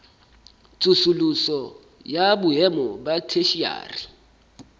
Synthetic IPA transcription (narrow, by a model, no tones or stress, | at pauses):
t͡sʼusulusɔ | jabʊɛmɔbatʰeʃia̰ːri